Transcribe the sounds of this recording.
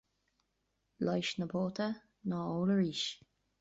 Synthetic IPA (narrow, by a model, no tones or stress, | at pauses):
lɔjʃnəboːt̪ʰə | nɑːoːləɹiːʃ